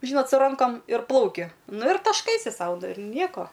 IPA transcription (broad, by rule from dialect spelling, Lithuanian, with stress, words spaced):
ˈʒʲiːnoːt sʊ ˈrɐŋkoːm ɪr ˈplˠɐʊkʲɪ ˈnʊ ɪr tɐʃˈkɐɪsʲɪ ˈsɐʊ ɪr ˈnʲiɛkoː